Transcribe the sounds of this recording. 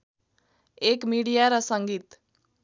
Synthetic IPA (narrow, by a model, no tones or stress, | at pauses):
ekmiɽijaɾʌsʌŋɡiːt̪